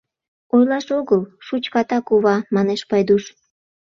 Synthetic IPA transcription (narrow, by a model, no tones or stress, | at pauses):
ojlɑʃoɣəlʃut͡ɕkɑt̪ɑkuβɑmɑneʃpɑjd̪uʃ